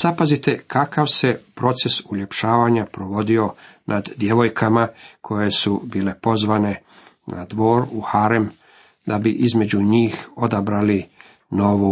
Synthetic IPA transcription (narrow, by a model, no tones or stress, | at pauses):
sapazit̪e̞kakaʋse̞pɾo̞t̪se̞sule̞pʃaːʋaɲapɾo̞ʋo̞d̪io̞nʔad̪ːje̞ʋo̞jkʰamakʰo̞je̞subiːle̞po̞zʋane̞ | na̰d̪ʋo̞ːɾuhaɾem | d̪abiʔizme̞d͡ʑuɲiːxo̞d̪abɾali | no̞ʋu